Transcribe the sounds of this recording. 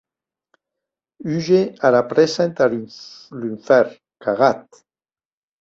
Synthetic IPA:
yʒealapɾesent̪alyɱfɛɾ | kaɣat̪

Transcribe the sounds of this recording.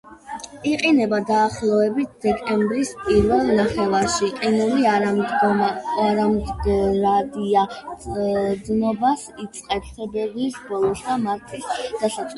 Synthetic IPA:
iqʼinɛbad̪aːχlˠɔɛbit̪̚ʰd̪̥ɛkʼɛmbɾispʼiɾvɛlˠnaχɛvaɾʃiqʼinuliaa | ɾamd̪ɡɾad̪ia | d̪nɔbasit̪sʼqʼɛɾt̪ʰɛbɛbisbɔlˠɔsd̪amaɾt̪ʰisd̪̥asat̪ʼ

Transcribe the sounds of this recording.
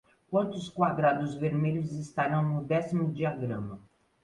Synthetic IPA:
kwɐ̃nt̪ʊskwad̪ɾad̪ʊzveɾmeʎʊzist̪aɾɐ̃w̃nʊd̪ɛsimʊd͡ʒiaɡɾɐ̃mɐ

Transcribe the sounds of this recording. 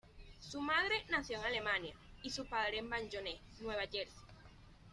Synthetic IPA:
sumað̞ɾe̞naθjoŋale̞mãnja | isupaðɾembaɲd͡ʒonenwe̞β̞aʝeɾsi̥

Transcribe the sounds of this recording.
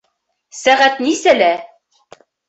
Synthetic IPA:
sæʁæt̪nisælæ

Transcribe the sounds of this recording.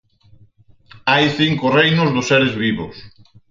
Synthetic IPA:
ajθiŋkʊrejnʊzðʊsːeɾezβiβʊs

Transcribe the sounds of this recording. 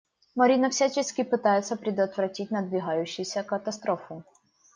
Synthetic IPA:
mɐɾʲinɐfsʲat͡ɕɪskʲɪpɨt̪ajɪt̪səpɾʲɪd̪ət̪vɾɐtʲit̚ʲnəd̪vʲɪɣajʉɕːɪjsʲəkət̪ɐst̪ɾofʊ

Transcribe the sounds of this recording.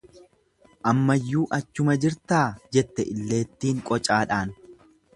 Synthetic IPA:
ʔɐmːɐjːuːʔɐt͡ʃːʊmɐd͡ʒɪɾt̪aːd͡ʒɛt̪ːɛʔɪlːe̞ːt̪ːiːŋkʼɔt͡ʃʼaːᶑaːn

